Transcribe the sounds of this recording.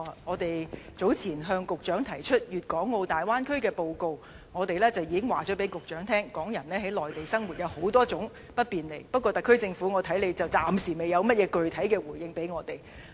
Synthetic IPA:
a˨ŋɔː˨˧t̪e˨jt͡so˨˥wt͡sʰiː˨˩nɦœː˧ŋkʊ˨k̚t͡ʃœː˨˥ŋt̪ʰɐ˨˩jt͡ʃʰɵ˥t̚jyː˨t̚kɔː˨˥ŋːo˧wt̪aː˨jwaː˥nkʰɵ˥kɛː˧po˧wko˨˧w | ŋɔː˨˧t̪e˨jlɛː˥t͡sɐ˨wjiː˨˧kɪ˥ŋwaː˨t͡ʃɔː˨˥pe˨˥jkʊ˨k̚t͡ʃœː˨˥ŋt̪ʰɛː˥ŋkɔː˨˥ŋjɐ˨˩nlɛː˥he˨˥jlɔː˨jt̪e˨jsɐ˥ŋwu˨t̚jɐ˨˧who˨˥wt̪ɔː˥t͡sʊ˨˥ŋ | pɐ˥t̚piː˨nle˨˩jpɐ˥t̚kʷːɔː˧t̪ɐ˨kʰːɵ˥ɥt͡sɪ˧ŋfu˨˥ŋɔː˨˧t̪ʰɐ˨˥jle˨˧jt͡sɐ˨wt͡saː˨msiː˨˩me˨˩jɐ˨˧wmɐ˥t̚jɛː˨˧kɵ˨˧ɥt̪ʰɐ˨˥jkɛː˧wuː˨˩jɪ˧ŋpe˨˥jŋɔː˨˧t̪e˨j

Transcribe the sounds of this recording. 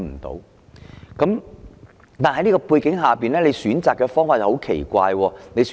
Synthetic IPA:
m̩˨˩t̪o̰˨˥w | kɐ˨˥m | t̪aː˨nɦɐ˧˦niː˥kɔː˧puː˧jkɪ˨˥ŋɦaː˨piː˨nlɛː˥le˨˧jsyː˨˥nt͡saː˨kːɛː˧fɔː˥ŋfaː˨k̚ho˨˥wkʰḛ˨˩jkʷaː˧jwɔː˧ne˨˧js

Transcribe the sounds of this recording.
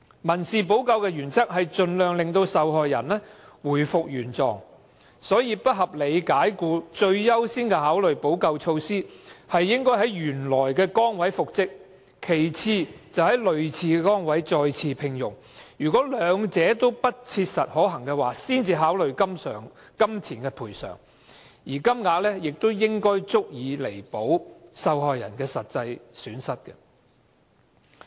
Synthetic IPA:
mɐ˨˩nsiː˨˩p̬o˨˥wkɐ˧wkɛː˧jyː˨˩nt͡sʰɐ˥k̚hɐ˨jt͡ʃɵ˧nlœː˨˧ŋlɪ˨ŋt̪o˧wsɐ˨wɦɔː˨jːɐ̰˨˩nlɛː˥wuː˨˩jfʊ˨k̚jyː˨˩nt͡sɔ̰ː˨ŋ | sɔː˨˥jiː˧pɐ˥t̚ɦɐ˨p̚le˨˧jkaː˨˥jkuː˧t͡ʃɵ˧ɥːɐ˥wsiː˥nkɛ˧ɦaː˨˥wlɵ˨ɥpo˨˥wkɐ˧wt͡ʃʰo˧wsiː˥hɐ˨jːɪ˥ŋkɔː˥jɦɐ˨˥jɥyː˨˩nlɔː˨˩jkɛː˧kɔː˥ŋwɐ˨˥jfʊ˨k̚t͡sɪ˥k̚ | kʰe˨˩jt͡sʰiː˧t͡sɐ˨whɐ˨˥jlɵ˨ɥt͡sʰiː˧kɛ˧kɔː˥ŋwɐ˨˥jt͡sɔː˧jt͡sʰiː˧pʰɪ˨˧ŋjʊ˨˩ŋ | ɥyː˨˩kɔː˨˥lœː˨˧ŋt͡sɛː˨˥t̪o˥wpɐ˥t̚t͡sʰiː˧t̚sɐ˨t̚hɔː˨˥ɦɐ˨˩ŋkɛː˧waː˨˩siː˥nt͡siː˧ɦaː˨˥wlɵ˨ɥkɐ˥msœ̰ː˨˩ŋ | kɐ˥mt͡sʰiː˨˩nkɛː˧pʰuː˨˩jsœ̰ː˨˩ŋ | jiː˨˩kɐ˥mŋaː˧k̚lɛː˥jɪ˨k̚t̪o˥wjɪ˥ŋkɔː˥jt͡sʊ˥k̚jiː˨˧le˨˩jpo˨˥wsɐ˧whɔː˨jːɐ̰˨˩nkɛː˧sɐ˨t̚t͡sɐ˧jsyː˨˥nsɐ˥t̚kɛ̰˧

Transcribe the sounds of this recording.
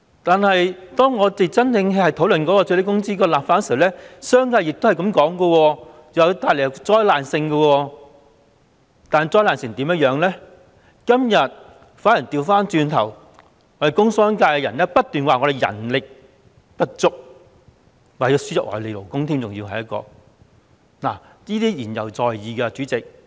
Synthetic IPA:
t̪aː˨nhɐ˨jt̪ɔː˥ŋːɔː˨˧t̪e˨˩t͡sɐ˥ntɪ˧ŋɦhɐ˨jt̪ʰo˨˥wlɵ˨nkɔ˨˧˥kɔ˧t͡ʃʰɵ˨˥le˨˥kʊ˥ŋt͡siː˥kɔː˧laː˨˩p̚faː˧˨n˥˧slɛː˥sœː˥ŋkaː˧jɪ˨k̚t̪hɐ˨jkɐ˨˧˥mkɔː˨˥ŋkɔ˧wɔː˧ | jt̪aː˨jle˨˩jɐ˨wt͡sɔː˧jlaː˨nsɪ˧ŋkɐ˧wɔː˧ | t̪aː˨n˨jt͡sɔː˧jlaː˨nsɪ˨˩ŋt̪iː˨˥mjɐ˥t̚jœː˨˥ŋlɛː˥ | kɐ˥mjɐ˨t̚ | faː˨˥ji˨˩t̪iː˧wfaː˥nt͡ʃyː˧nt̪ʰɐ˨˩w | ŋɔː˨˥de˨˩kʊ˥ŋsɔː˥ŋkaː˧jkɛ˧jɐ˨˩nlɛː˥pɐ˥t̚t̪yː˨nwaː˨ŋɔ˨˧ɾe˨jɐ̰˨˩nlɪ˨k̚ | pɐ˥t̚t͡sʊ˥k̚ | waː˨˩˧sy˥jɐ˨˩ʔɔ̰ː˨˧˩le˨˧jlo˨˩wkʊ˥ŋt̪ʰi˥mt͡sʊ˨ŋjiː˧wɦɐ˨jɐ˥t̚kɔ̰ː˧ | naː˨˩jiː˥t̪iː˥jiː˨˩njɐ̰˨˩wt͡sɔː˨˩jjiː˨˧kɐ˧t͡ʃyː˨˥t͡sɪ˨k̚

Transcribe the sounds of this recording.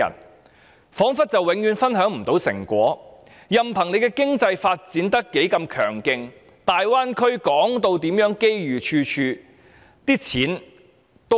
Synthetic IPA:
ɐ̰˨˩n | fɔː˨˥ŋfɐ˥t̚t͡sɐ˨wɪ˨˥ŋjyː˨˧nfɐ˥nɦœː˨˥ŋm̩˨˩t̪o˨˥wsɪ̰˨˩ŋkʷɔ̰ː˨˥ | jɐ˨mpʰɐ˨˩ŋle˨˧jkɛː˧kɪ˥ŋt͡sɐ˧jfaː˧t̚t͡siː˨˥nt̪ɐ˥kːe˨˥jkɐ˧mkʰœ̰ː˨˩ŋkɪ˧ŋ | t̪aː˨jwaː˥nkʰɵ˥ɥkɔː˨˥ŋt̪o˧wt̪iː˨˥mjœː˨˥ŋke˥jɥyː˨˩t͡ʃʰyː˧t͡ʃʰyː˧ | t̪iː˥t͡sʰiː˨˥n | t̪o˥

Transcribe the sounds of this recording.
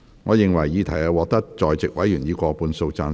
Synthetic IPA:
ŋɔː˨˧jɪ˨ŋwɐ˨˩jːiː˨˧t̪ʰɐ˨˩jaː˨˧wɔː˧k̚t̪ɐ˥k̚t͡ʃɔː˨jt͡sɪ˨k̚wɐ˨˥jyː˨˩njiː˨˧kʷɔː˧puː˨˧nso˧wt͡saː˧n

